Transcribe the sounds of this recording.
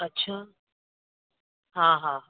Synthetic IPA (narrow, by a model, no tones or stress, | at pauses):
ətːɕʰaː | ɦãːɦãː